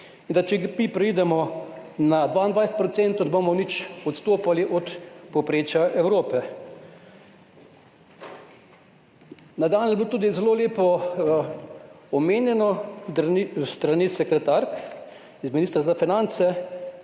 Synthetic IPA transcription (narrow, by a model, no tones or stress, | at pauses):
ind̪at͡ʃɛmipɾɛid̪ɛmɔnad̪ʋaind̪ʋajset̪pɾɔt̪sent̪ownɛbomɔnit͡ʃɔt̪st̪oːpaliʔɔt̪pɔpɾeːt͡ʃjaʔɛwɾoːpɛ | nad̪aːnjɛblot̪uːd̪izɛloːleːpɔ | ɔmeːnjɛnɔ | st̪ɾaniːsɛkɾɛt̪aɾk | izminiːst̪ɾazafinant̪sɛ